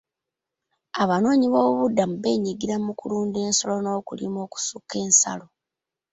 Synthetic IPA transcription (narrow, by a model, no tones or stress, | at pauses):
aβano̞ːɲiβoːβuβudːamube̞ːɲiɡiɾamukuluːnde̞ːnso̞lo̞no̞ːkulḭmo̞ːku̥sukːe̞ːnsa̰lo̞